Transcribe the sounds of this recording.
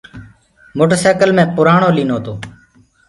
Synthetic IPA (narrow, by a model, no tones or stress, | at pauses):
moːʈəɾseːkəlmẽːpʊɾaːɳoːliːnoːt̪oː